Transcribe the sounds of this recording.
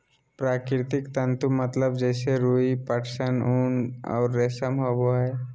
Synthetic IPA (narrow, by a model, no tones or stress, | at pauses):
pɾaːkɪɾt̪ɪkt̪ə̃nt̪umət̪ləbd͡ʒɛːseɾuipəʈsənuːnɔ̰ːɾːeːsəmɦoboɦɛː